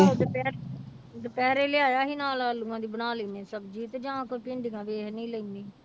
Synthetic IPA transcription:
od̪epɛːɾ | d̪epɛːɾeːleaːjaːɦiːnaːlaːlʊãːd̪iːbənaːleːneːsəbd͡ʒiːt̪ːd͡ʒãːkopɪ̃ɳɖɡãːʋeːɦnĩːləiniː

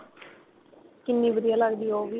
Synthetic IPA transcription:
kɪnːiːʋəɾijaːlaɡd̪iːoːʋiː

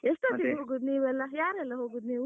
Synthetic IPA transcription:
esʈɐiɦoːɡud̪niːʋɛlːɐjaːɾɛlːɐɦoːɡuːd̪niːʋ

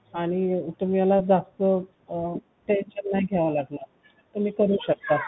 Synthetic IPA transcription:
aɽ̃it̪um̤ialad͡zast̪ə | ʈenɕənːaiɡʱeʋalaɡlə | t̪um̤iːkəɾuːɕək̚t̪a

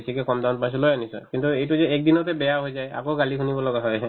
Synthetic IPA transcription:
sʰikɛkɔmd̪an̚mãs̬ɔlojanisɔ̰kint̪uejtuzɛek̚d̪inɔt̪̬ɛbɛjaɦojzaja̰koɡalikʰunibɔlɔɡaɦɔj

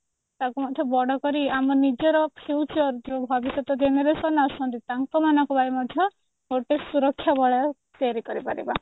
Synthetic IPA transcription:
t̪akumɔd̪ʱjɔbɔɽɔkɔɾiamɔnid͡ʒɔɾɔpʰjut͡ʃɔɾd͡ʒobʱɔbisɔt̪ɔd͡ʒeneɾesɔnasɔnt̪it̪aŋkɔmanɔkubajmɔd̪ʱjɔ | oʈesuɾɔkʰːjabɔɭ | t̪eaɾikɔɾipaɾḭba

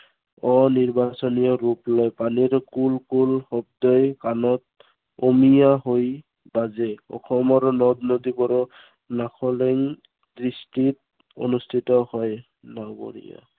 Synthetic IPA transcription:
ɔniɹbasɔnijɔɹuplɔjpaniɹkulkulhɔb̚dɔjkanɔt̚ | omijaɦoj | bazɛɔ̰xʰɔmɔɾɔnɔdnodibɔɹɔ | naxʰɔleŋ | dɹistit | o̰nustʰitɔhɔj | naɡo̰ɹḭja̰

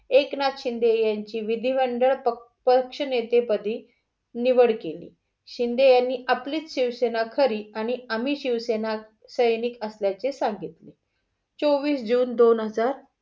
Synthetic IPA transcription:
eknat̪ɕind̪ejaɲt͡ɕiːʋid̪ʱiʋəɳɖəɭə | pəkʂənet̪epəd̪ʱiː | niʋəɽkelḭː | ɕind̪ejanːiːʔapliːt͡sɕiʋsenakʰəɾiːaɽ̃iam̤iːɕiʋsena | səjniːkəsljat͡sesaŋɡit̪li | t͡soʋiːsd͡ʑuːnd̪onɦəd͡zaɾ

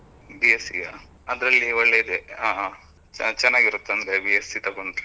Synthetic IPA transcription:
bijesːḭja̰ | ɐd̪ɾɐlːiɔɭːeid̪ea | t͡ʃɛnːaːɡiɾut̪ːɐnd̪ɾebijesit̪ɐɡoɳɖ̪

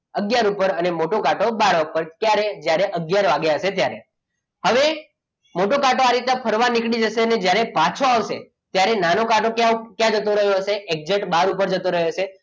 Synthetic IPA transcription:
əɡjaɾupəɾənemoʈokaʈobaɽapəɾkjaɾed͡ʒjaɾeʔəɡjaɾʋaɡjaəʃet̪jaɾe | həʋe | moʈokaʈoaɾit̪nãpʰəɾʋanikɽid͡ʒəʃeəned͡ʒjaɾepat͡ʃʰoaʋʃe | t̪jaɾenanokaʈokjãkjãd͡ʒət̪oɾəɦjoʃeʔek̚d͡ʒəʈbaɾupəɾd͡ʒət̪oɾəɦjot͡ʃʰe

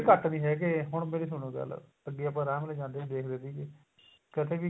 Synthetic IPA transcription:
kəʈnĩːɦɛːk̬eɦʊɳ̃meːɾeːs̬ʊñõːɡə̰l̰ | əɡːeːapãːɾaːmleːd͡ʒãːnd̪eːʋiːd̪eːkʰd̪eːt̪iːke | kɪt̪ʰeːʋiː

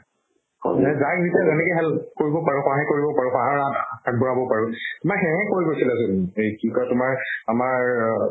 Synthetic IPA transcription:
ɛzaknitiazɛnɛkeɦɛlkoɹibɔpaɹuxɔaɦɛ̃koɹibɔpaɹuxaɦaatʰak̚bɔɹabɔpaɹʊtʊmaɹɦɛ̃ɦɛ̃koɹjkosilasʊnejkikatʊmaɹamaɹ

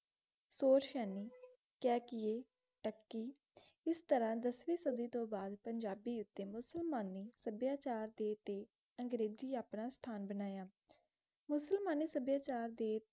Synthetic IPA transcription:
soːɾʃɛːniː | kɛːkɪeː | ʈəkːiː | ɪst̪əɾãːd̪əsʋiːsəd̪iːt̪õːbaːd̪pəɲd͡ʒaːbiːʊt̪ːeːmʊsəlmaːniːsəbjaːt͡ʃaːɾd̪eːt̪eː | əŋɡɾeːd͡ʒiːaːpnaːst̪ʰaːnbənaːjaː | mʊsəlmaːniːsəbjaːt͡ʃaːɾd̪eː

